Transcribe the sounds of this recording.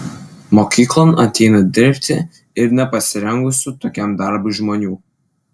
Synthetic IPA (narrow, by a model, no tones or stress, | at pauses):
moːkʲiːklˠɐnɐt̪ʲɛɪnɐd̪ʲɪɾʲpʲt̪ʲɪ | ɪɾnʲɛpɐsʲɪɾʲɛŋɡʊsʲʊt̪oːkʲɛmd̪ɐɾbʊʒmoːnʲuː